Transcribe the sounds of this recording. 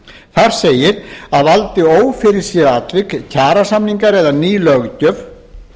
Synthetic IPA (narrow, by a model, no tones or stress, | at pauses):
θaɾ̥seːjɪɾaðvalt̪ɪoːwfɪɾɪɾ̥sjɛɾat̪vɪkcʰaːɾasamniŋkaɾɛðaniːlœɣcœv